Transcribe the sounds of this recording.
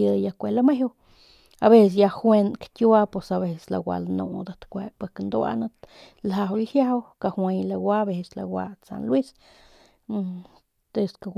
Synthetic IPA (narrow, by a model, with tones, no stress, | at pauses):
əja˧kʷe˧la˦me˦w | aβe˦ss̬ja˧xwe˧nkt̪ʲju˦a˦pe˨saβe˧ssla̰ɡʷwa̰˨˧lnṵ˧d̪at̪kʷe˧pe˧knd̪o˦a̰˧na˦t̪ | la˧wlhja˦wka˧hwe˧jla˧ɡwʷa˦be˧sla̰˨wa̰˧t͡sa̰˨nlwi˦s | t̪e˧ska